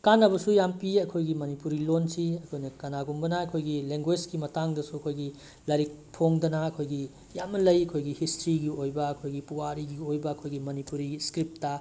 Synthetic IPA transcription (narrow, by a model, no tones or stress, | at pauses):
kanːɐbɐsujampiɐkʰojɡimɐnipuɾilonsiɐkʰojnɐkɐnaɡumbɐnɐɐkʰojɡileŋɡwed͡ʒɡimɐtaŋdɐsuɐkʰojɡi | lɐɾik̚pʰoŋdɐnɐɐkʰojɡi | jamnɐlɐjɐkʰojɡihistɾiɡiojbɐɐkʰojɡipuwaɾiɡiojbɐːkʰojɡimɐnipuɾiskɾip̚tɐ